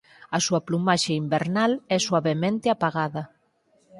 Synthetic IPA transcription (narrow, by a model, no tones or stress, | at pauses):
asuaplumaʃeimbeɾnalɛswaβemẽnt̪ɪapaɣaðɐ